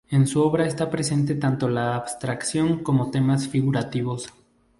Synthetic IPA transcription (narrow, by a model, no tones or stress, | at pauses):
e̞nsuo̞βɾaest̪apɾe̞se̞nt̪e̞t̪ant̪o̞laːβst̪ɾaksjo̞ŋko̞mo̞t̪e̞masfiɣuɾat̪iβo̞s